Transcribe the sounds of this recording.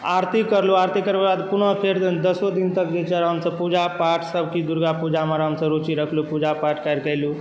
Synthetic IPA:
aɾt̪ikːəɾluaɾt̪ikəɾbabad̪punəpʰeɾd̪əsod̪int̪ək̚d͡ʒet͡ʃəɾɦəmsəbpud͡ʒapaʈʰsəbkid̪uɾɡapud͡ʒaməɾɦəmsəbɾut͡ʃiɾəkʰlupud͡ʒapaʈkajɾkəjlu

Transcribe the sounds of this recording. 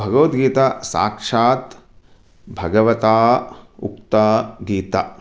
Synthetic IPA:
bʱɐɡɐʋɐt̪ɡiːt̪asa̰ːkʂaːt̪ | bʱɐɡɐʋɐt̪aːṵk̚t̪aɡiːt̪a

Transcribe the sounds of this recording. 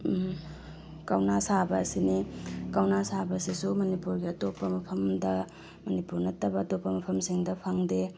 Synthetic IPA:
kɐwnasabɐːsinikɐwnasabɐsisumɐnipuɾɡiɐtopːɐmɐpʰɐmdɐ | mɐnipuɾnɐtːɐbɐːtopːɐmɐpʰɐmsiŋdɐpʰɐŋde

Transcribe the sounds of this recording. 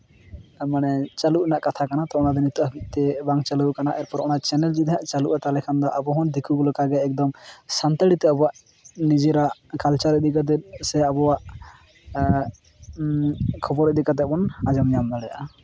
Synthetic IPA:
manɛt͡ʃaluʔnaʔkat̪ʰakanat̪ɔɔnad̪ɛnit̪uʔabiʔ̚t̪ɛbaŋt͡ʃalukanaʔɛɾpɔɾɔnat͡ʃɛnɛld͡ʒid̪ɛjaʔt͡ʃaluʔat̪alɛkʰand̪ɔʔabɔɦɔnd̪ikʰuɡɔlɔkaɡɛːk̚d̪ɔmsant̪aɽit̪ɛabɔwaʔ | nid͡ʒɛɾaʔkalt͡ʃaɾɛd̪ikad̪̬ɛsɛabɔwaʔ | kʰɔbɔɾɛd̪ikat̪̬ɛʔbɔnad͡ʒɔmɲamnaɽɛja̰ʔa

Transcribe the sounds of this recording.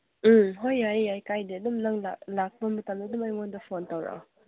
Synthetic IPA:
m̩ɦojajajkajdeɐdumnaŋla̰lak̚bɐmɐtamdadumajŋondɐpʰontawɾa̰

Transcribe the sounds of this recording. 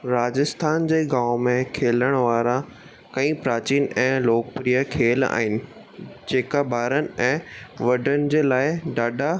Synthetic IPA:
ɾaːd͡ʑɪst̪ʰaːnd͡ʑeːɡaːʊmẽkʰeːləɽ̃ʋaːɾa | kɐ̃ĩpɾaːt͡ɕiːnɛ̃ːloːkəpɾijəkʰeːla̰ːɦɪnɪ̆ | d͡ʑeːkabʱaːɾənɪ̆ɛ̃ːʋɐɖʱənɪ̆d͡ʑeːlaːɪɖaːɖʱa

